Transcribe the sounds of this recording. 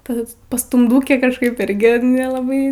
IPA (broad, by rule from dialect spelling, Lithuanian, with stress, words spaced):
ˈpɐs pɐstʊmˈduːkʲeː kɐʃˈkɐɪp ˈɪrʲɡʲɪ nʲɛlˠɐˈbɐɪ